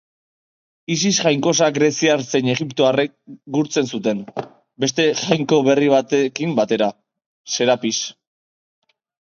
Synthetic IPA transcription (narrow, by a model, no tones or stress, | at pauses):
is̬isʝajŋko̞s̬aɡɾe̞siaɾt͡se̞ne̞ɣipt̪o̞arek̚ɡuɾt͡se̞nsut̪e̞n | be̞st̪e̞ʝajŋko̞β̞e̞riβ̞at̪e̞kimbat̪e̞ɾa | se̞ɾapis